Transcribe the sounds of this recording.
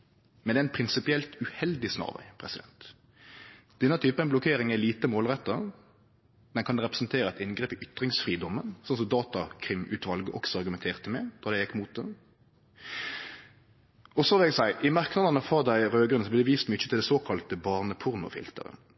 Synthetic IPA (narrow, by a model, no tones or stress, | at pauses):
mɛnd̪ɛæɪnpʰʁɪnsɪpɪɛlt̪ʉhɛld̪ɪsnɑ̰ːʁʋæ̰ɪpʰʁɛsɪd̪ɛ̰nt̪ | d̪̥ɛnːɑt̪ʰyːpəɛnblʊkʰeːɾɪŋæliːt̪əmoːlʁɛt̪ːəʁ | d̪ɛnkʰɑnd̪ɛʁɛpɾə̥snt̪ʰeːɾəɛt̪ɪnɡʁeːpɪʔʏt̪ʁɪŋsfʁiːd̪ɔmːənsɔnsɔmd̪ɑːt̪ɑkʰʁɪmʉːt̪ʋɑlɡəʔɔksɔɑʁɡʉmɛnt̪ʰeːʁt̪əmɛd̪̥ɑːd̪æɪjɛkːmuːt̪̚d̪ɛ | ɔsɔʋɪlæɛɡsæɪʔɪmæʁknɑd̪ənəfɔʁd̪æɪʁøːɡɾʉnəsɔblɛd̪ɛʋiːst̪mʏçət̪ɪld̪ɛsoːkʰɑlt̪əbɑʁnəpʰʊʁnʊ̰fɪ̰lt̪ə̰ʁə̰